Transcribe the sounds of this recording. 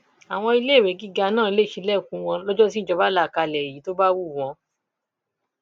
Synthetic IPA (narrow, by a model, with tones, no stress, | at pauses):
a˨w̃ɔ̃˧i˧le˦˨we˨˦ɡi˦ɡa˧nãː˦˨i˧le˦˨ʃi˨˧lɛ˦˨kũ˨˦w̃ɔ̃˧lɔ˦d͡ʒɔ˦t̬i˦d͡ʒɔ˧ba˦la˦˨ka˧˨lɛ˨ji˨˦to˦ba˦wu˦˨w̃ɔ̃˧